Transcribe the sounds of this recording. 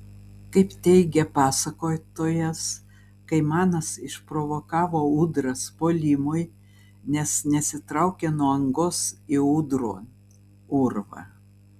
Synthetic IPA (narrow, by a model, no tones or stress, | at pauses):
kɐɪpt̪ʲɛɪɡʲɛpɑːsɐkoːt̪oːjɛs | kɐɪmɑːnɐsɪʃpɾoːʋoːkɑːʋoːuːd̪ɾɐspoːlʲimʊj | nʲɛsnʲɛsʲɪt̪ɾɐʊkʲenuɔɐŋɡʊsɪuːd̪ɾoː | ʊɾʋɐ̰